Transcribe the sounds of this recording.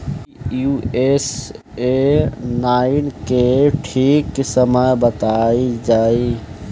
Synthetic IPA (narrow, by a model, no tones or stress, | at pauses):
jues | enaːɪnkeʈʰiːksəməjbət̪aid͡ʒaːi